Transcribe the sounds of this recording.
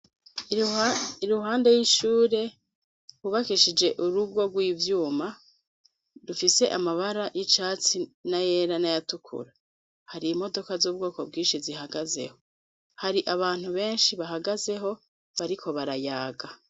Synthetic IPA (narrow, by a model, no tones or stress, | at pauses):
iɾuɦaːnde̞jiʃuːɾe̞ | kuβakiʃid͡ʒe̞ʔuɾubɡo̞ɡwiːvjuːma | dufise̞ʔamaβaɾaʔit͡ʃaːt͡sinaje̞ːɾanajatukʰṵɾa | haɾiːmo̞do̞kazuːb̚ɡoːko̞b̚ɡiːnʃizihaɡaze̞̰ho̞ | haɾiʔaβaːn̥huβe̞ːnʃiβaɦaɡaze̞ɦo̞ | βaɾikʰo̞βaɾajaːɡa